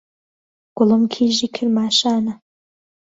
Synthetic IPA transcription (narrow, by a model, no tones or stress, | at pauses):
ɡ̥ʊlɨmkʲʰiːʒikʲʰɪrmaːʃaːna